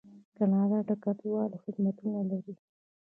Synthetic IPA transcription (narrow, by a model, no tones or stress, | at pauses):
kanɑdaɖakat̪walaxɪd̪mat̪unalaɾi